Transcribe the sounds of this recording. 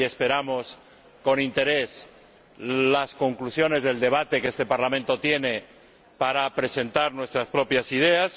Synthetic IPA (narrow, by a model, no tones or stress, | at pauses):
e̞spe̞ɾamo̞s | ko̞nint̪e̞ɾe̞s | lasko̞ŋklusjo̞ne̞zðe̞ld̪e̞β̞at̪e̞kest̪e̞paɾlamẽnt̪o̞t̪je̞ne̞ | paɾapɾe̞se̞nt̪aɾnwe̞st̪ɾaspɾo̞pjasið̞e̞as